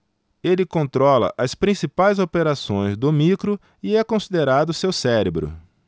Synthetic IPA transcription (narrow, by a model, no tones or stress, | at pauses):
elɪkõnt̪ɾɔlɐ̰ʔɐspɾĩsipajzopeɾasõj̃zd̪ʊmikɾʊ | ɪɛkõsid̪eɾad̪ʊsewsɛɾebɾʊ̰